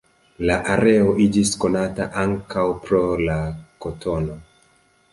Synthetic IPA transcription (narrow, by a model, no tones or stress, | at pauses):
laʔaɾe̞o̞ʔid͡ʒisko̞nataʔaŋkawpɾo̞lakotʰo̞no̞